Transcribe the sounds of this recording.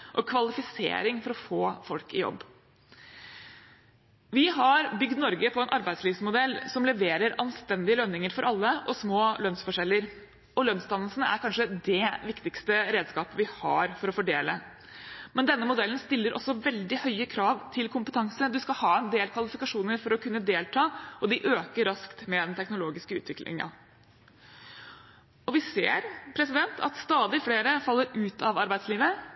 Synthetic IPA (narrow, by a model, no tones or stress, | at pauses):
ʔɔkʰʋɑlɪfɪsḛːɾɪŋfɔɾɔfoːfɔlkɪjɔ̰bː | ʋɪɦɑɾbʏɡd̪nɔɾɡəpʰɔɛnʔɑɾbæɪd̪sliːʋsmʊd̪ɛlːsɔmlɛʋeːɾəɾɑnst̪ɛnd̪ɪəlœnːɪŋəɾfɔɾʔɑlːəʔɔsmoːlœnsfɔʂɛlːəɾ | ɔlœnst̪ɑnːəlsənəæ̰ɾkʰɑnʂəd̪ɛʋɪkt̪ɪkst̪əɾeːd̪skɑːpəʋɪhɑ̰ɾfɔɾɔfɔɖeːlə | mɛnd̪ɛnːəmʊd̪ɛlnst̪ɪlːəɾʔɔ̰sːɔʋɛld̪ɪhœʏəkʰɾɑːʋt̪ʰɪlkʰʊmpət̪ʰɑŋsəd̪ʉskɑlhɑːɛnd̪eːlkʰʋɑlɪfɪkɑʂuːnəɾfɔɾɔkʰʉnːəd̪eːlt̪ʰɑːɔd̪ɪʔøːkəɾːɑskt̪mɛd̪ɛnt̪ʰɛknʊloːɡɪskəʉ̰ːt̪ʰʋɪklʔɪ̰ŋɑ̰ | ɔʋɪsḛːɾpʰɾɛsɪd̪ɛnt̪ʰɑ̰t̪st̪ɑːd̪ɪfleːɾəfɑlːəɾʉːt̪ʰɑʋɑɾbæɪd̪sliːʋə